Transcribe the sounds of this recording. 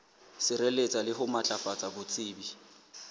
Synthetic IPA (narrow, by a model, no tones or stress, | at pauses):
sɪɾelet͡sʼalɪɦʊmat͡ɬʼafat͡sʼabʊt͡sʼiːbi